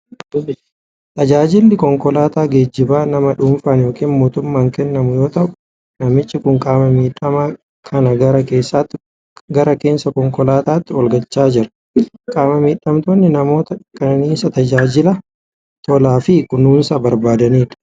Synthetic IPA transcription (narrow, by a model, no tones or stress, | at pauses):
t̪ʼɐd͡ʒaːd͡ʒɪlːɪkɔŋkɔlaːt̪aːɡeːd͡ʒːɪbaːnɐmɐᶑuːɱfaːnjo̞ːkiːnmo̞ːt̪ʊmːaːŋkɛnːɐmʊjo̞ːt̪ɐʔʊ | nɐmɪt͡ʃːɪkʊŋkʼaːmɐmiːᶑɐma | kʰɐnɐɡɐɾɐke̞ːsːat̪ːɪ | ɡɐɾɐke̞ːnsɐkɔŋkɔlaːt̪aːt̪ːɪɔlɡɐt͡ʃːaːd͡ʒɪɾɐ̥ | kʼaːmɐmiːᶑːɐmt̪oːnːɪnɐmo̞ːt̪ɐkʼɐniːsɐt̪ɐd͡ʒaːd͡ʒɪlɐ | t̪ɔlaːfɪkʊnuːnsaːbɐɾbaːd̪ɐniːᶑɐ̥